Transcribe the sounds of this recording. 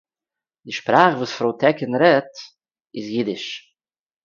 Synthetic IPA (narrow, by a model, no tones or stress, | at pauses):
dɪʃpɾaːχvuːsfɾoʊtʰɛkənɾɛt | ɪsjidɪʃ